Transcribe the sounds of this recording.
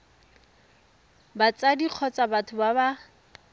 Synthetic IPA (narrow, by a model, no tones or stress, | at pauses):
bat͡sadiq͡χʰɔt͡sʼabatʰʊbaba